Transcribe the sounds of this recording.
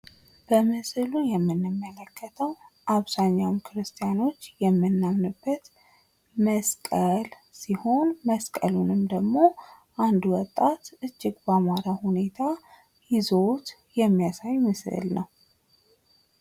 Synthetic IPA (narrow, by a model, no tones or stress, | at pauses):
b̥əmɨsɨlujɛmːɨnːɨmːələkʰːət̪ʰəwʔaβzaɲːawmkʰɨɾɨst̪ʰijano̞t͡ʃːjɛmːɨnːamnɨbːət̪ | məskʼəl | siho̞nməskʼəlunɨmd̪əɡmo̞ | ʔand̪uwɔt̪ʼːat̪ʔɨd͡ʒːɪɡbamaɾahune̞t̪ʰa | jizo̞t̪ | jɛmːijasajmɨsɨ̰lnəw